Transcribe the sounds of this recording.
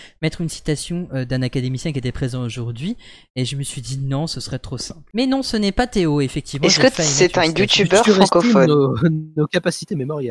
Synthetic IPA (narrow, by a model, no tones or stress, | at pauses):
mɛt̪χynsi̥t̪asjɔ̃ød̪ɛ̃nakad̪emisjɛ̃kʲiet̪ɛpχezɑ̃oʒuʁd̪ɥi | eʒəməsɥid̪inɔ̃səsəʁɛt̪χosɛ̃plmɛnɔ̃sənɛpat̪eoefɛk̚t̪ʰivmɑɛ̃skəpesmɛt̪ɛ̃jut̪ybœʁyfʁɑkɔfɔnonokapasi̥t̪ememɔʁjal